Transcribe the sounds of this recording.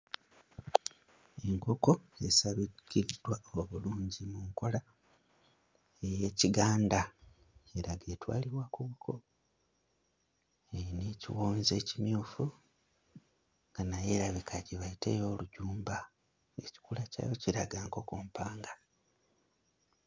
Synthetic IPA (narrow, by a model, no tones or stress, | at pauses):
e̞ŋko̞ko̞e̞saβikidwaoβuluːɲɟimuŋko̞la | eje̞ːciɡaːnda | eɾaɡetwa̰ːliβwakuβukʰo̞ | enecḭwoːnze̞ːcimjuːfu | ŋɡanaje̞ɾaβikʰaciβaite̞̰jo̞ːluɟuːmba | e̞ci̥kulaca̰ːjo̞ciɾaɡaːŋko̞ko̞ːmpaːŋɡa